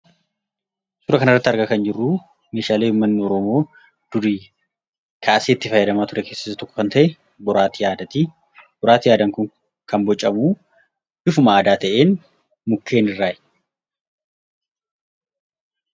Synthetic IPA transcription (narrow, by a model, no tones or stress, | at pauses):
sʊɾɐkɐnɐrːɐt̪ːɐɾɡɐkɐnd͡ʒɪrːuː | me̞ːʃaːle̞ːhʊmːɐnːɪɔɾɔmo̞ː | d̪̥ʊɾiː | kʰaːɐseːɪt̪ːɪfɐjːɐd̪ɐmaːt̪ʊɾʔɛkeːsːɐ̥sːɐt̪ɔkːɔ̥kɐnt̪ɐʔɛ | bɔɾaːt̪ijaːd̪ɐt̪i | bɔɾaːt̪ɪjaːd̪ɐŋkʊŋ | kɐmbɔt͡ʃʼːɐmuː | dɪfʊmaːd̪aːt̪ɐʔe̞ːn | mʊkːe̞ːnɪrːaː